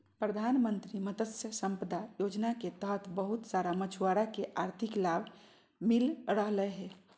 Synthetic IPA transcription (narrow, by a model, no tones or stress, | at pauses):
pɾəd̪ʱanmənt̪ɾimət̪əsjəsə̃mpəd̪ajod͡ʒnaket̪əɦt̪ʰbəɦut̪saɾamət͡ʃʰwaɾakeʔaɾt̪ʰɪklabʱ | milɾəɦləeɦɛ